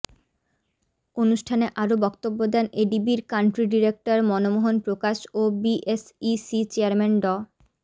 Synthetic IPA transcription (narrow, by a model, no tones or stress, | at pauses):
onuʃʈʰaneʔaɾobɔkt̪obːod̪ɛneɖibiɾkaɳʈɾiɖiɾek̚ʈaɾmɔnomoɦonpɾokaʃobiʔesisit͡ɕeaɾmenɖɔ